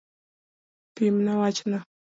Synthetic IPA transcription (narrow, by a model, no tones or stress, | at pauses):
pimnawat͡ʃna